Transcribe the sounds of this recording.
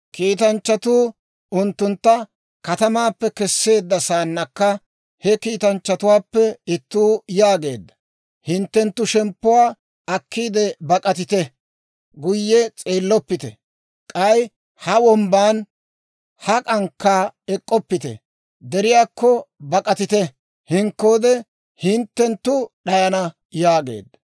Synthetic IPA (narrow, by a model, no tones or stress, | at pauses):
kiːt̪ɐnt͡ʃːɐt̪uː | ʊnt̪ːʊnt̪ːɐ | kɐt̪ɐmaːpːɛkɛsːe̞ːd̪ːɐsaːnːɐkːɐ | hɛkiːt̪ɐnt͡ʃːɐt̪ʊwaːpːɛɪt̪ːuːjaːɡe̞ːd̪ːɐ̥ | hɪnt̪ːɛnt̪ːʊʃɛmpːʊwaː | ɐkːiːd̪ɛbɐkʼɐt̪ɪt̪ɛ | ɡʊjːɛt͡sʼeːlːɔpːɪt̪ɛ̰ | kʼɐj | hɐwɔmbaːn | hɐkʼɐŋkːaːɛkʼːɔpːɪt̪ɛ̰ | d̪ɛɾɪjaːkːɔbɐkʼɐt̪ɪt̪ɛ | hɪŋkːo̞ːd̪ɛ | hɪnt̪ːɛnt̪ːʊɗɐjɐnɐ | jaːɡḛːd̪ːɐ